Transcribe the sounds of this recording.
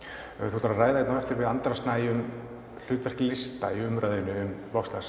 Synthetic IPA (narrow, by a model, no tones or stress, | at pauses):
θut̪aɾaɾraːjðaɪt̪nawvɛft̪ɪɾvɪðant̪ɾast̪naːjʏm | l̥ʏːt̪vɛr̥klɪst̪aiʏmɾaːjðɪnʏʏmvɔfst̪as